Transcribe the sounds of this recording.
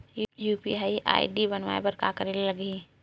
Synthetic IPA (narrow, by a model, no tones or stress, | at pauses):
juːpḭaːiʔa̰ːḭɖibənʋaːepɐɾka̰ːkəɾellɐɡi